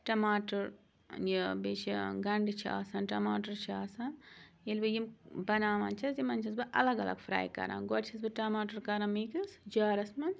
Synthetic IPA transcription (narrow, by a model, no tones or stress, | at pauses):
ʈɐmaːʈɐɾ | jibet͡ʃʰiɡɐɳɖit͡ʃʰia̰ːsaːnʈɐmaːʈɐɾt͡ʃʰiaːsaːn | ilbɨjimbɐnaːmɐ̰nt͡ʃʰɐsimɐnt͡ʃʰɐsbɨʔɐ̰lɐɡɐlɐ̰ɡfɾa̰ːjkɐ̰ɾa̰ːnɡoɾt͡ʃʰɐsbɨʈɐmaːʈɐɾkɐɾamiːkɐsd͡ʒaːɾɐsmɐn